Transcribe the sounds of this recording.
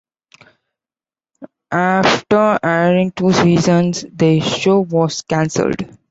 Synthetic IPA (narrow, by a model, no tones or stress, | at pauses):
ʔæfʈəɾɛɾɪ̃ŋʈuːsiːzə̃nsd̪əʃoːʋɔːz̥kæ̃nsə̰lɖ